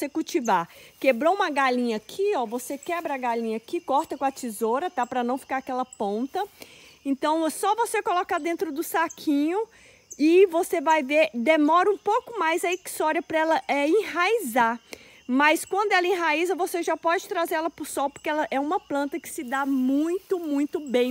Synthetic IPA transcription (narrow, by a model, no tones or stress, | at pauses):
sekuwt͡ʃivakebɾoũmɐɡalĩɲɐakʰiɔvosekɛbɾɐɐɡalĩɲɐakikɔɾt̪ɐkõɐt͡ʃizoɾɐt̪apɾɐnɐ̃w̃fi̥kaɾakɛlɐpõnt̪ɐẽt̪ɐ̃w̃sɔvosekolɔkad̪ẽnt̪ɾʊd̪ʊsakʰĩɲʊ | ɪvosevajveɾd̪emɔɾɐũpowkʊmajzɐeki̥st̪ɔɾɐpɾɐɛlɐʔɛẽhaiza | mɐjskwɐ̃nd̪ʊɛlɐẽɦaizɐvoseʒapɔd͡ʒɪt̪ɾazeɾɛlɐpʊsɔwpoɾkeɛlɐʔɛũmɐplɐ̃nt̪ɐkɪ̥sɪd̪amũj̃t̪ʊmũj̃t̪ʊbẽj̃